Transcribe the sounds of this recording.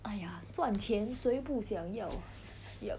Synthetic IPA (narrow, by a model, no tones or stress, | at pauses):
aɪjat͡swant͡ɕʰjɛnsweɪpuɕjɑŋjɑʊ | jo